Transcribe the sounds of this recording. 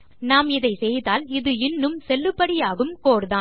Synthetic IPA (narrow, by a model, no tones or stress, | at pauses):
naːmɪðɐɪsɛjðaːlɪðɯɪnːɯmsɛlːɯpːɐɽɪjaːɣɯmkoːɾðaːn